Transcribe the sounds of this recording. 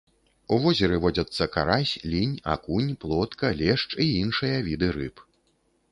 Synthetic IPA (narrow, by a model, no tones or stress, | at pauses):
uvɔzʲɛɾɨvɔd͡zʲɐt̪sːɐkaɾasʲlʲinʲa̰kunʲplˠɔt̪kɐlʲɛʂt͡ʂiinʂɨjɐvʲid̪ɨɾɨp